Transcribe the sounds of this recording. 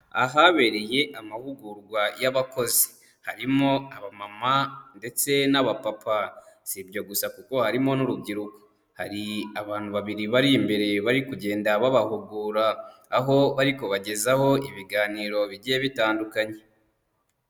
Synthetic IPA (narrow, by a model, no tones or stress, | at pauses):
a̰ɦaβe̞ɾe̞je̞ʔamahuɡuɾɡwajaβako̞zi | haɾimo̞aβamamande̞t͡se̞naβapapʰaz̥ibɟo̞ɡusakuko̞haɾimo̞nuɾuɡɟiɾuko̥ | haɾiaβaːn̥uβaβiɾiβaɾimbe̞ɾe̞βaɾikuɟe̞ːndaβaβahuɡuɾaː | ɦo̞βaɾiko̞βaɟe̞zaho̞iβiɡaːniːɾo̞βiɟieβitaːndukaɲe̞